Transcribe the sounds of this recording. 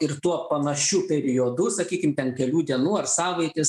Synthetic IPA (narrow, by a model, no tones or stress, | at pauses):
ɪrt̪uɔpɐnɐʃʲuːpʲɛɾʲɪoːd̪ʊsɐkʲiːkʲɪmtʲɛnkʲɛlʲuːd̪ʲiɛnuːɐrsɑːʋɐɪt̪ʲɪs